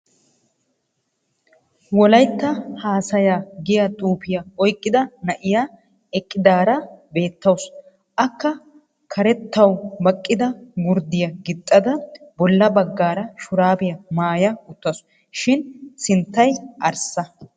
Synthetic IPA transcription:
wɔlɐjt̪ːɐhaːsɐjaːɡɪjɐt̪ʼuːpɪjɐɔjkʼːɪd̪ɐnɐʔɪjaː | ɛkʼːɪd̪aːɾɐbe̞ːt̪ːɐws | ʔɐkːɐ | kʰɐɾɛt̪ːɐwbɐkʼːɪd̪ɐɡʊɾd̪ɪjɐɡɪt̪ʼːɐd̪ɐbɔlːɐbɐɡːaːɾɐʃʊɾaːbɪjɐmaːjɐʊt̪ːɐs | ʃɪnsɪnt̪ːɐjʔɐɾsɐ

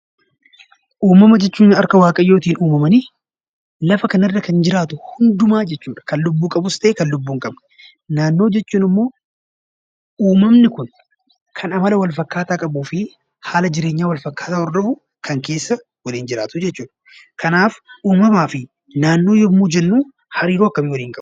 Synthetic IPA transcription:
ʔuːmɐmɐd͡ʒɛt͡ʃːuːnɐɾkɐwaːkʼɐjːo̞ːt̪iːnuːmɐmɐni | lɐfɐkɐnɐrːɐkɐnd͡ʒɪɾaːt̪ʊhʊnd̪ʊmaːd͡ʒɛt͡ʃːuːᶑɐ̥kɐnlʊbːuːkʼɐbʊst̪ɐʔeːkɐnlʊbːuːŋkʼɐbn | naːnːo̞ːd͡ʒɛt͡ʃːuːnɪmːo̞ː | uːmɐmnɪkʊn | kʰɐnɐmɐlɐwɐlfɐkːaːt̪aːkʼɐbuːfɪ | haːlɐd͡ʒɪɾe̞ːɲːaːwɐlfɐkːaːt̪aːɔɾd̪ɔhʊ | kʰɐŋke̞ːsːɐ | wɐliːnd͡ʒɪɾa̰ːt̪ʊd͡ʒɛt͡ʃːuːᶑɐ̥ | kɐnaːfuːmɐmaːfɪ | naːnːo̞ːjɔmːuːd͡ʒɛnːuː | hɐɾiːɾoːɐkːɐmɪwɐliːŋkʼɐbʊ̥

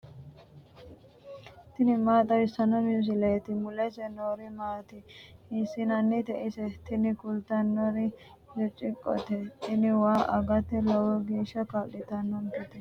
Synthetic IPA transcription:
t̪ɪnɪmaːt̪ʼɐwɪsɐnɔmis̬ɪlɛjt̪ɪmʊlɛsɛnoːɾɪmaːt̪ɪɪsɪnɐnːɪt̪ɛʔɪsɛt̪ɪnɪkʊlt̪ɐnːɔɾɪ | jɔt͡ʃʼːɪkʼːɔ̰t̪ɛt̪ɪnɪwaːʔɐɡɐt̪ːɛlɐwɔɡeːʃɐkaɗɪt̪ɐnːɔnkɛt̪ɛ

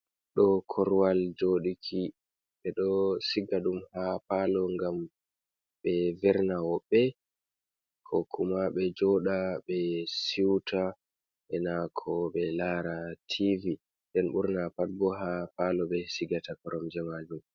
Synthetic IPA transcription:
ɗɔkʰɔɾwald͡ʒoɗikʰi | ɓɛɗɔsiɡaɗumhapalɔŋɡam | ɓɛvɛɾnawɔɓːɛ | kʰɔkʰumaɓɛd͡ʒɔɗaɓɛsiwtʰa | ɓɛnakʰɔɓɛlaɾatʰivi | nɗɛnɓṵɾnapat̚ɡɔɦapalɔɓɛsiɡatakɔɾɔmd͡ʒɛmad͡ʒum

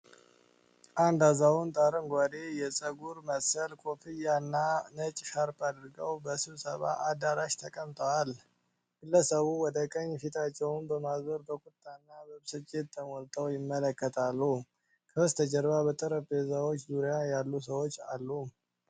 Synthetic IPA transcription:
ʔand̪azawunt̪ʼaɾɨŋɡʷad̪ejɛt͡sʼəɡuɾməsəlkʰʼo̞fɨjanːanət͡ʃʼʃaɾpʼad̪ɾɨɡəwbəsɨβsəβa̰ʔad̪aɾaʃt̪ʰəkʼəmt̪ʼəwal | ɡ̥ɨlːəsəβuwɔd̪əkʼəɲːfit̪ʰat͡ʃːɛwnbəmazbəɾbəkʼʊt̪ʼːanːabəβsɨt͡ʃʼːet̪ʰːəmɔlt̪ʰʼəwjɪmːələkːət̪ʰalːu | kʰəst̪ʰəd͡ʒɛɾbabət̪ʼəɾəpezawo̞t͡ʃːzuɾjajalːusəwo̞t͡ʃːa̰lːu

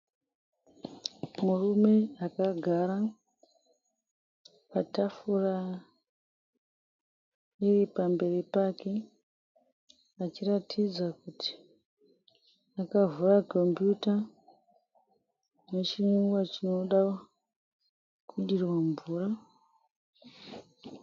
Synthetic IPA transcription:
murume̞akaɡʱaɾa | patafura | iripambe̞ripake̞ | at͡ʃiratʰid͡zakutʰi̥ | akavurako̞mpjuta | ne̞t͡ʃimuɡwat͡ʃino̞ɗa | kuɗirwaɱvuːra

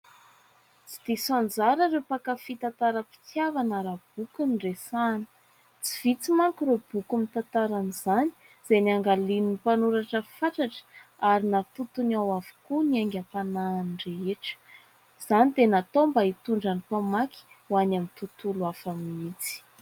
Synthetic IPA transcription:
t͡si̥d̪̥isond͡zaɾəɾepakafit̪at̪aɾəpi̥t͡sjavanaɾab̥ukunɖ͡ʐesanə̥ | t͡si̥v̥it͡simaŋkuɾeb̥ukumit̪ant̪aɾaniz̥ani̥ | z̥enaŋɡalininipanuɾaʈ͡ʂəfaʈ͡ʂaʈ͡ʂə̥aɾinat̪ut̪unawavu̥kuniaŋɡʲapanaːnreeʈ͡ʂə̥ | z̥anid̪enat̪ombait̪uɳɖ͡ʐanipamaki̥ | wanamint̪ut̪uluafamiit͡si̥

